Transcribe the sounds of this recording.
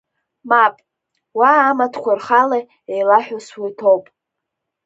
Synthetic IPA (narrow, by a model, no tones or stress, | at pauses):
mapʼ | waːmatʰkʷarχala | ejlaħʷᶣʊswitʰowpʼ